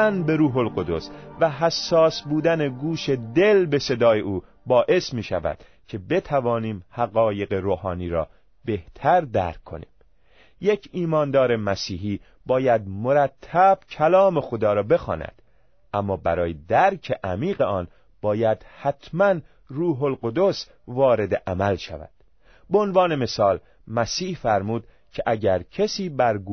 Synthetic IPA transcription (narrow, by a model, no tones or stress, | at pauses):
ænbe̞ɾuːɦolqod̪o̞svæɦæsːɒːsbuːd̪æne̞ɡuːʃe̞d̪e̞lbe̞se̞d̪ɒːjeʔuː | bɒːʔe̞smiːʃæ̰væ̰d̪̥ | cʰe̞be̞t̪ʰævɒːniːmhæɣɒːje̞ɣe̞ɾoːhɒːniːɾɒ̰ː | b̥eht̪ʰæɾd̪æ̰ɾkʰːo̞̰nḭːm | je̞cʰiːmɒːnd̪ɒːɾe̞mæsiːɦiː | b̥ɒːjæd̪̚mo̞ɾæt̪ʰːæb̥cʰælɒːme̞xod̪ɒːɾɒːbe̞xɒ̰ːnæ̰d̪̥ | ʔæmːɒːbæɾɒːjed̪æɾcʰe̞ʔæmiːɢe̞ɒːn | b̥ɒːjæd̪̥hæt̪ʰmæn | ɾuːɦo̞lɢo̞d̪o̞s | vɒːɾe̞d̪eʔæmælʃæ̰væ̰d̪̥ | beonvɒːne̞me̞sɒːl | mæsiːhfæɾmuːd̪̥ | cʰeʔæɟæɾcʰesiːbæɾɡu